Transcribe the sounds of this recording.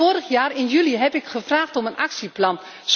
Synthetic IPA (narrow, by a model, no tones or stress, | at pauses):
oːɾəχjaːrɪnjyliɦɛpɪkχəvraːχtɔmənʔɑksiplɑn | s